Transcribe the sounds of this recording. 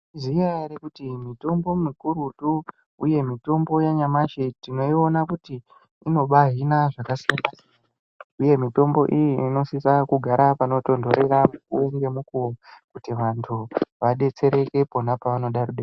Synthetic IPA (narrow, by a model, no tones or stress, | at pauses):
zijaɾekutimito̞mbo̞mikuɾutu | uje̞mito̞mbo̞jaɲamaʃetino̞io̞nakutiː | no̞ɓaɦinaʐakasijana | uje̞mito̞mbo̞ʔijiino̞sisakuɡʱaɾapano̞to̞ndo̞ɾe̞ɾamukuŋɡe̞mukuokutiʋantʰuʋaɗe̞t͡se̞ɾe̞ke̞po̞napaʋano̞ɗaɾuɗe